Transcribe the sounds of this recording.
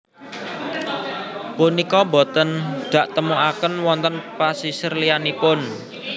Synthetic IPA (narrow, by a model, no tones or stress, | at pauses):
punikɔbɔ̤t̪ənd̪̥ä̤ʔt̪əmuakənwɔnt̪ənpasisərlianipʊn